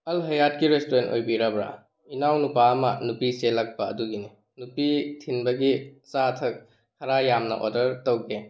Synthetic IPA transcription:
ɐlɦɐjat̚kiɾestuɾento̰jbiɾabɾa̰ | inawnupaɐmɐnupiselɐk̚bɐ̰ːduɡini | nupitʰinbɐɡisatʰɐk̚ | hɐɾajamnɐ̰ʔo̰dɐɾtɐwɡe

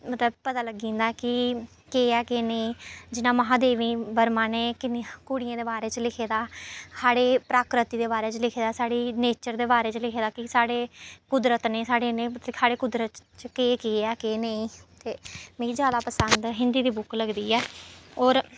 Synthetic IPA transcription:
mət̪ləb̚pət̪aːləɡĩːnd̪akɪ | keːɛːkeːneĩːd͡ʒɪnãːməɦãːd̪eːʋĩːbəɾmãːneːkɪnkʊɽɪjãːd̪eːbaːɾeːt͡ʃəlɪkʰeːd̪aːsaːɽeːpɾaːkɾɪt̪iːd̪eːbaːɾeːt͡ʃəlɪkʰeːd̪aːsaːɽiːneːt͡ʃəɾd̪eːbaːɾeːt͡ʃlɪkʰeːd̪aːkɪsaːɽeːkʊd̪ɾət̪neːsaːɽeːneːmət̪lsʰaːɽeːkʊd̪ɾət̪t͡ʃkeːkeɛːkeːneĩːt̪eːmɛ̃ːid͡ʒjaːd̪aːpəsənd̪ɦɪnd̪iːd̪iːbʊkləɡd̪iːɛːɔːɾ

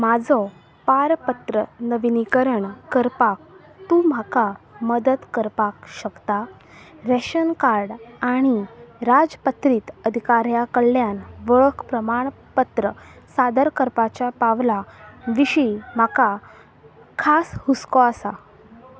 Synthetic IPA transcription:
mad͡zʱɔ | paɾpət̪ɾənəʋinikəɾəɳkəɾpak̚ | t̪ũm̤akaməd̪ət̪kəɾpakɕəkt̪a | ɾɛɕənkaɾɽaɽ̃iɾad͡zpət̪ɾiːt̪əd̪ʱikaɾjakəɭljanʋəɭəkʰpɾəmaɳ̃ | pət̪ɾəsad̪əɾkəɾpat͡ɕjapaʋlaʋiɕim̤aka | kʰashuskɔasa

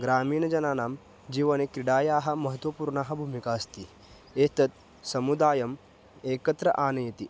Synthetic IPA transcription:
ɡɾaːmiːnɐd͡ʒɐnaːnaːm | d͡ʒiːʋɐnekɾiɽaːjaːɦɐ̆mɐɦɐt̪ʋɐpuːɾɳaːɦɐ̆bʱuːmikaːst̪i | eːt̪ɐt̪̚ | sɐmud̪aːjɐm | eːkɐt̪ɾɐʔaːnɐjɐt̪i

